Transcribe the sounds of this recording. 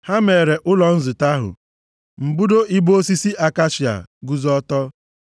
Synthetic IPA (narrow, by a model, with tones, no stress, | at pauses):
ha˦me˨ɾe˨ʔʊ˦lɔ˨n̩˦zʊ˨ta˦ɦʊ̰˨ | m̩˨bu˦do˦ʔi˦bo˦si˦si˦ʔa˨ka˦ʃi˨a̰˨ɡu˦zɔ˦tɔ˦